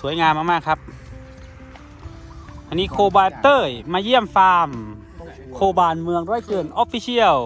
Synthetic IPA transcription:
su˨˦əjŋaː˧mʔaː˧maː˧˥˩kʰa˦˥p̚ | t̪ʰa˧ni˧˥˩kʰoː˧baː˧t̪ɤː˧˩jmaː˧ji˥˩əmfaː˧m | kʰoː˧baː˧˩nmɯ˧əŋɾɔː˧˥˨jkɯː˨˧˩nʔɔː˦˥pfʰiː˧si˧˥˩əw

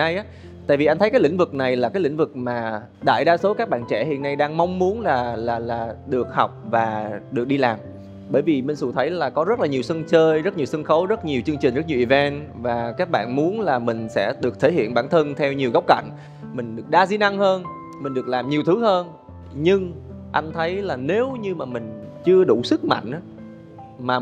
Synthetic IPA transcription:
a˧jʔaː˦ | t̪a̰ː˧˨jvi˨˩ʔa˧jnt̪ʰkaː˨˦jlï˧˩ŋ̟vɨ˨˩k̚na˨˩jlaː˨˩kaː˨˦jlï˧˥ŋ̟vɨ˨˩k̚maː˨˩ | ɗa̰ː˧˨jɗaː˧so˨˦kaː˦˥k̚ɓa̰ː˧˨nt͡ɕɛ̰˧˩˨hḭ˧ənːa˧jɗaː˧ŋma˧wŋ͡mmu˨˦ənlaː˨˩laː˨˩laː˨˩ɗɨ˨˩ək̚hɔ˨˩wk͡p̚vaː˨˩ɗɨ˨˩ək̚ɗi˧laː˨˩m | ɓəː˧˩jvi˨˩me˧˩nsṵ˧˩t̪ʰə˨˦jlaː˨˩kɔ˨˦zə˦˥t̚laː˨˩ɲi˨˩əwsə˧nt͡ɕəː˧jzə˦˥t̚ɲi˨˩əwsə˧nxə˨˦wzə˦˥t̚ɲi˨˩əwt͡ɕɨ˧əŋt͡ɕï˨˩ŋ̟zə˦˥t̚ɲ˨˩wʔi˨˩vɛ˧nvaː˨˩kaː˦˥k̚ɓa̰ː˧˨nmu˨˦ənlaː˨˩mï˨˩ŋ̟sɛ̰˧˥ɗɨ˨˩ək̚t̪ʰe˧˩hḭ˧˨ənɓaː˧˩nt̪ʰə˧nt̪ʰɛ˧wɲi˨˩əwɣa˦˥wk͡p̚ka̰˧˨ŋ̟ | mï˨˩ŋ̟ɗɨ˨˩ək̚ɗaː˧zi˧na˧ŋhəː˧n | mï˨˩ŋ̟ɗɨ˨˩ək̚laː˨˩mɲi˨˩əwt̪ʰɨ˨˦həː˧n | ɲɨ˧ŋ | ʔa˧jŋ̟t̪ʰə˨˦jlaː˨˩ne˨˦wɲɨ˧maː˨˩mï˨˩ŋ̟t͡ɕɨ˧əɗu˧˩sɨ˦˥k̚ma̰˧˨jŋ̟ʔaː˨˦ | maː˨˩

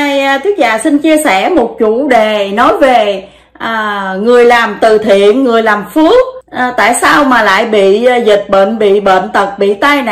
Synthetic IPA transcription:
a˧jt̪ʰu˨˦ək̚za̰ː˨˩si˧nt͡ɕi˧əsɛ˧˩mo˨˩t̚t͡ɕu˧˥ɗe˨˩nɔ˨˦jve˨˩ | ʔːŋɨ˨˩əjlaː˨˩mt̪ɨ˨˩t̪ʰḭ˧˨ənŋɨ˨˩əjlaː˨˩mfɨ˨˦˥ək̚ːt̪a̰ː˧˨jsaː˧wmaː˨˩la̰ː˧˨jɓḭ˧˨zi˨˩t̚ɓə̰ː˧˨nɓḭ˧˨ɓə̰ː˧˨nt̪ə˨˩k̚ɓḭ˧˨t̪a˧jn˨

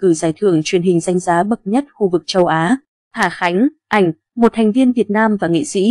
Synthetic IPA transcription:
kɨ˧˩zaː˧˩jt̪ʰɨ˧˩əŋt͡ɕwi˨˩ənɦï˨˩ŋ̟za˧jŋ̟zaː˨˦ɓə˨˩t̚ɲə˦˥t̚xu˧vɨ˨˩k̚t͡ɕə˧wʔaː˨˦ | t̪ʰaː˧˩xa˨˦jŋ̟ | ʔa˧˩jŋ̟ | mo˨˩t̚t̪ʰɛ˨˩ŋ̟vi˧ənvi˨˩ət̚naː˧mvaː˨˩ŋḭ˧˨sḭ˧˥

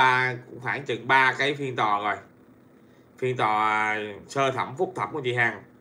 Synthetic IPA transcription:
aː˧kʊ˧˥ŋ͡mxaː˧˩nt͡ɕɨ̰˨ŋɓaː˧kaː˨˦jfi˧ənt̪ɔ˨˩zo˨˩j | fi˧ənt̪ɔ˨˩səː˧t̪ʰə˧˩mfʊ˦˥k͡p̚t̪ʰə˨˧˩m̚ku˧˦t͡ɕi˧˩ɦaː˧˩ŋ

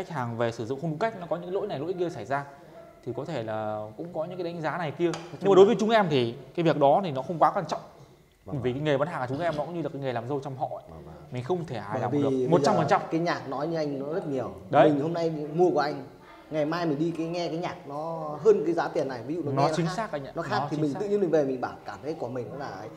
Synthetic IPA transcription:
ka˦˥jk̟̚haː˨˩ŋve˨˩sɨ˧˩zʊ̰˧˨ŋxo˧nɗu˨˦ka˦˥k̟̚nɔ˨˦kɔ˨˦ɲɨ̰˧˥aː˨˦lo̰˧˥jna˨˩jlo̰˧˥jki˧əsa˧˩jzaː˧ | t̪ʰi˨˩kɔ˨˦t̪ʰe˧˩laː˨˩kʊ̰˧˥ŋ͡mkɔ˨˦ɲɨ̰˧˥kaː˨˦ɗa˨˦ŋ̟zaː˨˦na˨˩jki˧əɲɨ˧mː˨ɗo˨˦jvəː˨˦jt͡ɕʊ˨˦ŋʔɛ˧mt̪ʰi˨˩kaː˨˦jvi˨˩ək̚ɗɔ˨˦t̪ʰi˨˩nɔ˨˦xə˧wŋ͡mkwaː˨˦kwaː˧nt͡ɕɔ̰˧˨wŋ͡m | ɓəː˧˩jvi˨˩kaː˨˦jŋe˨˩ɓa˨˦nhaː˨˩ŋaː˨˩t͡ɕʊ˨˦ŋʔɛ˧mnɔ˨˦kʊ̰˧˥ŋ͡mɲɨ˧laː˨˩kaː˨˦ŋə˨˩laː˨˩mzə˧wt͡ɕwŋ͡mɦɔ̰˧˨ə˨mï˨˩ŋ̟xə˧wŋ͡mt̪ʰe˧˩ha̰ː˧˨jlaː˨˩˨ɨ˨˩əmo˨˩tt͡ɕa˧m˨fə˨˩nt͡ɕa˧˨kaː˨˦jɲaː˨˩k̚nɔ˨˦jɲɨ˧ʔa˧jŋ̟nɔ˨˦zə˦˥t̚ɲi˨˩əwɗə˨˦mi˨˩ŋho˧mna˧jmu˧əkwʔa˧jŋ̟ | ŋa˨˩jmaː˧jmï̟˨˩ɗi˧kaː˨˦jŋɛ˧kaː˨˦jɲaː˨˩k̚nɔ˨˦ɦəː˧nkaː˨˦jzaː˨˦t̪i˨˩ənːa˨˩jvi˨˦zṵ˧˨nɔ˨˦nɔ˨˦˧t͡ɕï˨˦saː˦˥k̚ʔa˧˦˧nɔ˨˦xaː˦˥˨kt̪ʰi˨mi˨˩ŋt̪ɨ̰˧˨ɲi˧nmi˨˩ŋ̟ve˨˩mï˨˩ŋ̟ɓaː˧˩wkaː˧˩mt̪ʰə˨˦ku˧˩əmï˨˩ŋ̟nɔ̰˨˦laː˨˩ʔə˨˦j

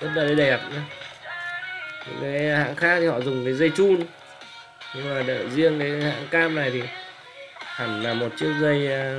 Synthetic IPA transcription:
ɓt̚ɗəː˨˩ɗə˨˧˦ɗɛ˨˩p̚ | i˨˦kaː˨˦jha̰ː˧˥ŋxaː˦˥k̚t̪i˨˩hɔ̰˧˨zʊ˨˩ŋ͡mkaː˨˦jzə˧jt͡ɕu˧n | ɲɨ˧ŋmaː˨˩ɗə̰ː˧˨zi˧əŋkaː˨˦ha̰ː˧˥ŋkaː˧mna˨˩jt̪ʰi˨˩ | ha˨˧˩ŋlaː˨˩mo˨˩t̚t͡ɕɨ˦˥ək̚zə˧j

